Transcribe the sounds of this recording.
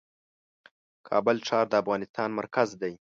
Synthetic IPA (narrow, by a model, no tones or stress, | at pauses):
kʰɑ̰bəlʈ͡ʂɑːɾd̪əafɣɑnɪst̪ɑnmaɾkazd̪aj